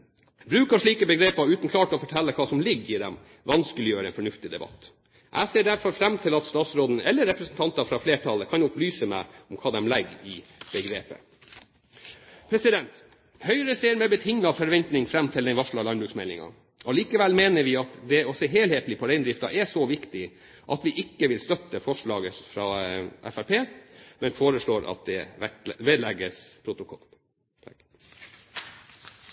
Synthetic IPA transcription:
bɾʉːkɑʂɭiːkəbəɡɾeːpɑʉːt̪n̩kʰlɑːʈɔfɔʈʰɛlːəkʰɑːsɔmlɪɡːɪd̪ɛ̰m | ʋɑnskəlɪjøːɾəɛnfɔɳʉft̪ɪd̪ɛbɑ̰t̪ː | ʔæ̰ɪseːɖæɾfɔɾfɾɛmːt̪ʰɪlɑt̪st̪ɑːt̪sɾoːd̪n̩ɛlːəɾɛpɾəsnt̪ɑnt̪ɑfɾɑfleːʈʰɑlːəkʰɑnʊplyːsəmæ̰ɪɔmkʰɑːd̪ɛmlɛɡːɪb̥əɡɾḛːpə̰ | pʰɾɛsɪd̪ɛnt̪ | hœʏɾəseːɾmɛbət̪ʰɪŋːɑfɔɾʋɛnt̪nɪŋfɾɛmːt̪ʰɪld̪ɛɪnʋɑʂɭɑlɑnbɾʉːksmɛlɪŋɑ̰ | ʔɔliːkəʋɛlmeːnəɾʋɪɑt̪d̪ɛɔseːɦeːlheːt̪l̩ɪpʰɔd̪ɛɪnd̪ɾɪft̪ɑ̰ʔɛsɔʋɪkt̪ɪ | ʔɑ̰t̪ʋɪʔɪkːəʋɪlst̪œt̪ːəfɔʂɭɑːɡəfɾɑːʔæ̰fæɾpʰeːmɛnfoːɾəʂɭoːɾʔɑ̰t̪̚d̪ɛʋeːd̪lɛɡːəspʰɾʊt̪ʊkʰɔ̰l

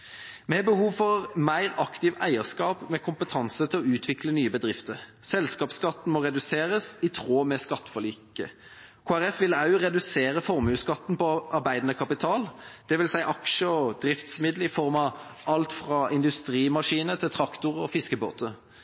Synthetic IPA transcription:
mɛhɛbəhuːʋfɔʁmæɪʁɑkt̪ɪʋæ̰ɪəskɑːpmɛkʰʊmpət̪ʰɑnsət̪ʰɪlɔʉːt̪ʰʋɪklənyːəbəd̪ʁɪft̪əʁsɛlskɑːpskɑt̪ːn̩mɔʁɛd̪ʉseːʁəsɪt̪ʰʁoːmɛskɑt̪ːə̥fɔliːkəkʰoːæʁɛfʋɪlɑʉʁɛd̪ʉseːʁəfɔʁmʉːskɑt̪ːnpɔʔɑʁbæɪd̪nəkʰɑpɪt̪ʰɑːld̪̥ɛʋɪlsæɪʔɑkʃəɔd̪ɾɪft̪smɪd̪l̩ɪfɔʁmɑ | ʔɑlt̪fʁɑːʔɪnd̪ʉst̪ʁiːmɑʂiːnət̪ʰɪlt̪ʰʁɑkt̪ʊʁɔfɪskəbo̰ːt̪ə

